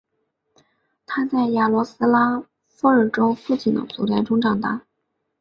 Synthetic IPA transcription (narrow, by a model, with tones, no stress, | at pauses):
t̪ʰa˥t͡sa˥˩ɪja˨˩lwɔ˧˥sɹ̩˥la˥ | fɔ˥ə˞˨˩ʈ͡ʂo˥ʊfu˥˧t͡ɕi˥˩d̪ə̰˨t͡sṵ˧˥ljɛ˧˥nʈ͡ʂʊ˥ŋʈ͡ʂɑ˨˩ŋt̪a˥˩